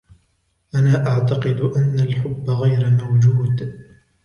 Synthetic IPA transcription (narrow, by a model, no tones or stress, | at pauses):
ʔanaːʔaʕt̪aqɨd̪ʔanːalħʊbːaɣajɾamawd͡ʒuːd̪